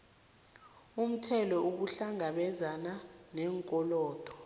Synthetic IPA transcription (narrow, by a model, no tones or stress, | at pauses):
um̩tʰɛlɔʔuk̬uɬaŋaɓɛzananɛːŋkʼɔlɔːd̥ʱɔ